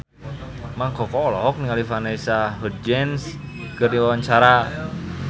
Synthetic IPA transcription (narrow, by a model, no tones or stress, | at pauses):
maŋkɔkɔlɔɦɔk̚niŋalifanesaɦud͡ʒɛns | kɨrdiwawaɲt͡ʃaɾa